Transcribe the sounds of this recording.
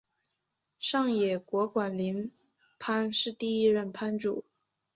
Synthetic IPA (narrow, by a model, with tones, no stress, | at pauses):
ʂɑ˥˩ŋjɛ˨˩kwɔ˧˥kwa˨˩nli˧˥n | pʰa˥nʂɻ̩˥˧t̪i˥˧i˥ɻə˥˩npʰa˥nʈ͡ʂu˨˩˦